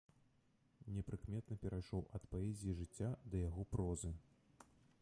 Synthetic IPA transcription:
nʲɛpɾɨkmʲɛt̪nɐpʲɛɾʔajʂɔwʔɐt̪paɛzʲijiʐɨt͡sʲːad̪ɐjaɣɔpɾɔzɨ

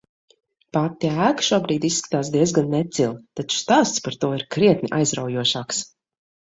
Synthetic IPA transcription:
pat̪ːiæːɡʃuɔbɾiːd̪issːkḁt̪aːsd̪iɛzɡanːɛt̪silˠt̪at͡ʃu̥st̪aːst̪spaɾt̪uɔiɾkɾiɛt̪nʲiʔa̰jzɾawjuɔʃaːks

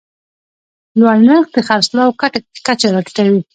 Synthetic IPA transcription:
lwaɽnəɾxd̪əxaɾslawkaʈḁkat͡ʃaɾɑʈu̥ʈawi

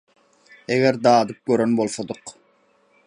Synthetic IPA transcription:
eɡæɾd̪ɑːd̪ɯp̚køɾønbolˠsod̪ɯq

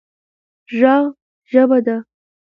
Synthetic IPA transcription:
ʒɑɣ | ʒəbad̪a

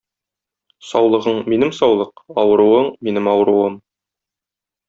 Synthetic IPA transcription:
sɒwlˠɤ̆ʁɤɴminɘmsɒwlˠɤqɒwɤ̆ɾuwɤɴminɘmɒwɤ̆ɾuwɤm

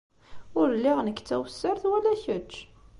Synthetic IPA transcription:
ʊɾlːiʁnəkːt͡sːæwəsːəɾθwælæçət͡ʃː

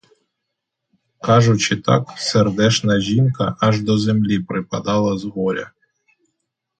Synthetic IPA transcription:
kɑʒʊt͡ʃɪt̪ɑ̰kserd̪ɛʃnɐʒʲinkɐʔɐʒd̪ɔzemlʲipɾɪpɐd̪ɑlˠɐzɦɔɾʲɐ̰

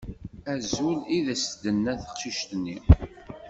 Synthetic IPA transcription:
æzuliðæsd̪ənːæθə̥qʃiʃt̪nːi

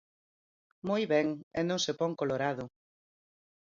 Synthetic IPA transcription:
mojβɛŋɛnõŋsepɔŋkoloɾaðʊ

